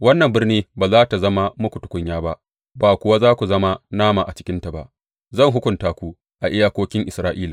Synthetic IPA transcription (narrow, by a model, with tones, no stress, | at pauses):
wɐ˦nːɐ˨mbɪ˦rniː˦baː˨zaː˦ta˨zɐ˦ma˦mʊ˦kʷu˨tʊ̥˦kʷʊ˦ɲjaː˦ba˦ʔ | baː˨kʷʊ˨wa˦zaː˦kʷu˨zɐ˦ma˦naː˦ma˨ʔa˨t͡ʃɪ̥˦kʲɪ˦nta˨ba̰˨ʔ | zɐ˦˨ŋɦʊ˦kʷʊ˨ntaː˦kʷu˦ | ʔa˨ʔɪ˦jaː˦kʷoː˦kʲɪ˦ŋʔɪ˨sɾaː˦ʔiː˦laː˨